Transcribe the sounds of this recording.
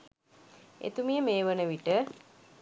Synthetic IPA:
ḛt̪umijəmeːʋənəʋiʈə

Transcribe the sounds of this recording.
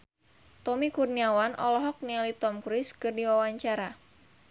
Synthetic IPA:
t̪ɔmikurniawanʔɔ̰lɔɦɔk̚nialit̪ɔmkɾɪskɨrdiwawaɲt͡ʃaɾa

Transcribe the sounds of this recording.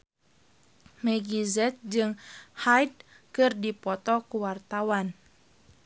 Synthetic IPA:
mɛɡizɛt̪̚d͡ʒɨŋhajd̚ | kɨrdipɔt̪ɔkuwart̪awan

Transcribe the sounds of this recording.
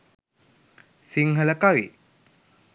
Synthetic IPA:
siŋɦəlɐkawḭ

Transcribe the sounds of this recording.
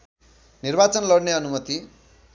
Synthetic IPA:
nirbat͡sʌnlʌɽneʌnumʌt̪i

